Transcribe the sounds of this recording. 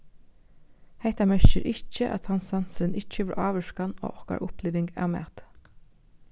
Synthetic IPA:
het̪amɛɹʃɪɾʔɪt͡ʃːəʔæ̰t̪hɑnsɑnsɾɪnɪt͡ʃːəʋɛɹʔɑːʋəʃkano̰ːɔhka̰ʔʊpliːʋɪŋkɑ̰ːʋmɛ̰ːt̪

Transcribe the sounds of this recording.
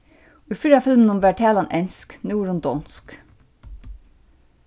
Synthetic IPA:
uːfiːɾafɪlmnʊmʋæːʈʰæːlɑnʔɛnsknuːɹənd̪ɔnsk

